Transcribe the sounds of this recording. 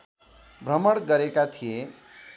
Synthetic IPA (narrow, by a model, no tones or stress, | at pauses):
bʱrʌmʌɽɡʌɾekat̪ʰije